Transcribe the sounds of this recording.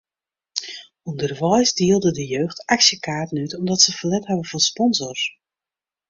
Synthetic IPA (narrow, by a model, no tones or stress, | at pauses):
undərʋɔjsdiəlˠdədəjøːxtaksjəkaːtən̩ytɔmdɔtsəfəlɛthɛvəfɔspɔnzɔrs